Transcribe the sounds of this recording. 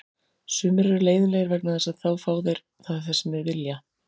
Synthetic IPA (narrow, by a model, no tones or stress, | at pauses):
sʏːmɪɾaɾleːjðʏnɛjɣɪɾvɛknaθɛsaðθaːwfaːwðejɾ̥ | θaðθɛsmɪvɪlja